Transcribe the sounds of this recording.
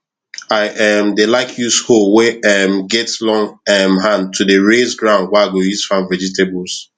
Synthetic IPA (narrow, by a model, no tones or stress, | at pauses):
aɪʔɛmdelaɪkʰjusholwɛɛmɡɛtslɔ̃ŋɛmɦãnd̚tʰudəɹezɡɹãʊ̃nd̚waɪaɡojuz̥fãnvɛd͡ʒitebls